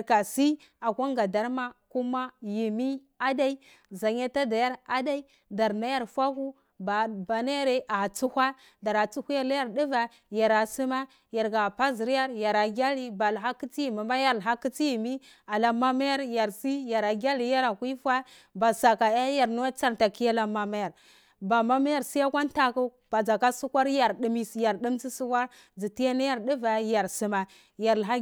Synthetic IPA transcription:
a˨ɾka˨si˦ | a˨kʷa˦ŋɡa˨da˨ɾma˦ku˦ma˦ji˨mi˦ | a˦da˦i˦ | za˨ɲa˦ta˦da˨ja˦ɾa˦da˦i˦ | da˨ɾna˦ja˦˨ɾfa˦ku˦ | ba˨ba˨na˦ja˦ɾe˦ʔa˨t͡su˦hʷa˦ | da˨ɾa˨t͡su˦hu˦ja˦la˦ja˨ɾdi˦va˨ | ja˨ɾa˨si˦ma˦ | ja˨ɾɡa˨pa˦zi˨ɾja˦ɾja˨ɾa˨ɡʲa˦li˦ba˨lɦa˦kːi˦t͡si˦ji˨mi˨ma˦ja˦ɾɦa˦kːi˦t͡si˦ji˨mi˦ | a˨la˨ma˦ma˦ja˦ɾja˨ɾsi˦ja˨ɾa˨ɡʲa˦li˨ja˦ɾa˨kʷi˦fʷa˦ | ba˨sa˨ka˨ja˦ja˨ɾnu˦wa˦t͡sa˦ɾta˨ki˦a˦la˦ma˨ma˦ja˨ɾ | ba˨ma˦ma˦ja˦˨ɾsi˦ja˦kʷa˦n˦ta˦ku˦ | b̥a˨d͡za˨ka˦su˦kʷa˦ɾja˨ɾɗi˨mi˦˨ja˨ɾɗi˦mt͡si˦su˦kʷa˦ɾ | d͡zi˨ti˦a˦na˦ja˦ɾdi˦va˨ja˨ɾsi˦ma˨ | ja˨ɾlɦa˦

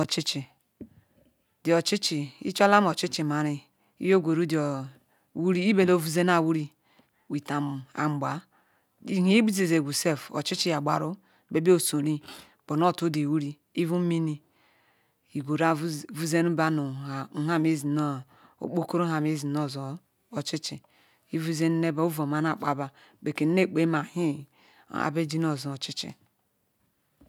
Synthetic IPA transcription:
o˨t͡ʃi˦t͡ʃi˨ | di˨o˨t͡ʃi˦t͡ʃi˨ḭ˦t͡ʃa˦la˦m˦o˨t͡ʃi˦t͡ʃi˨ma˨ɾi˦ | ḭ˦jo˦ɡʷo˨ɾu˦di˨o˨ | wu˦ɾi˦i˦be˨lo˦vu˦ze˦n˦a˨wu˦ɾi˦ | wi˨ta˨m˨a̰˨m˨ɡ͡ba˨ | i˦hi˨˦i˦bu˦ze˨ze˨ɡu˨se˦fo̰˨t͡ʃi˦t͡ʃi˦ja˨ɡ͡ba̰˨ɾo˦˨ | be˦bi˦o˨so˨ɾi˦ | b̥o˨n˦o˦˨tu˦de˨wu˦ɾi˦ | i˦vu˦mi˦ni˦ | i˨ɡo˨ɾa˦vu˦ze˦nu˦ba˦nu˨˦ɦa˦me˦zi˨no˦˨ | o̰˨k͡po˦ko˦ɾo˦ɦa˨me˦zi˨no˦˨zo˨ | o˨t͡ʃi˦t͡ʃḭ˨ | i˦vu˦ze˦n˦ne˦ba˨u˦vo˨ma˨na˨k͡pa˨ba˨ | be˨ke˨n˦e˦˨k͡pe˦ma˨hi˦ | a̰˨be˦d͡ʒi˦n˦o˨zo˨o˨t͡ʃi˦t͡ʃḭ˨

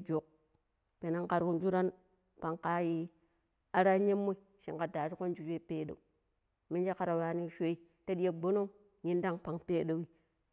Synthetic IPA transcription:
d͡ʒo˨k̚ | pe˨na˦ŋka˨ɾku˦nd͡ʒu˦ɾa˦n | pa˨ŋka˦ji˦ | a˦ɾa˦ɲe˦mːo˦i˦ | ʃi˨ka˨da˨ʃi˦ko˦n˦d͡ʒu˦d͡ʒʷe˦i˦peː˦ɗo̰˨u˨ | mi˦nd͡ʒa˦ka˨ɾa˨ɾa˨ni˦ʃʷe˦i˦ | ta˦ɗi˦je˨ɡ͡bo˦no˦ | ɲi˦nda˦ŋpa˨ŋpe˦ɗo˦wi˦

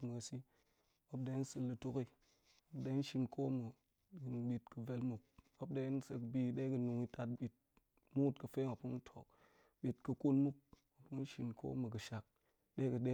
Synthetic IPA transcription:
mɨ˨a˨si˦ | o˦p̚de˧i˦n̩˦sɨ˧lːɨ˧to˦ki˦˨ | o˦pde˧i˦n̩˦ʃi˧nkʰo˦mɨ˨ | ɓi˨tkɨ˨ve˦lmu˨k̚o˦p̚da˦n̩˦se˧kbi˦ɗe˦kɨ˨nu˨ŋi˦ta˦tɓʲi˨t̚ | mu˦u˦tkɨ˨fe˦ŋa˨pu˦n̩˦tʰo̰˨k̚ | ɓʲi˨tkɨ˧ku˦nmu˦k̚ | o˨pu˦n̩˦ʃi˨nkʰo̰˦mɨ˨kɨ˨ʃa˨k̚ | ɗe˦kɨ˨ɗe˦

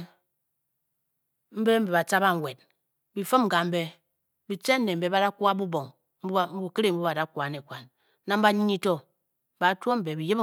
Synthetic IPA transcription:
m̩˦be˦m̩˦be˨βa˨t͡ʃa˦ba˦ŋ̩˨we˨t̚ | bi˨fɨ˦m̩˨ɡa˨m̩˦be˦ | bi˨t͡ʃe˦n˦nːe˨m̩˦be˨˦ba˦da˦ku˦a˦bu˦bo˨ŋ | m˦m̩˦bu˦˨ke˦ɾe˦˨m̩˦bu˦ba˨da˦ku˨a˨ne˨kʷa˨n | na˦m̩˦ba˦ɲi˦ɲi˦to˦˨ | ba˨˦tu˦o˦m̩˨be˨bi˨je˦b

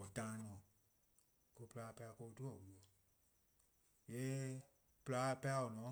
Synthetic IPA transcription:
ɔ˨tãː˦nɔ̃ː˨ | ko˧˦pɨlaː˧˦˧pa˧a˧˨ko˧tu˦ɔ˨wu˨ɔ˨ | jɛ˨˦ | pɨ˦la˦pa˧a˧o˨nɔ̃˨˦

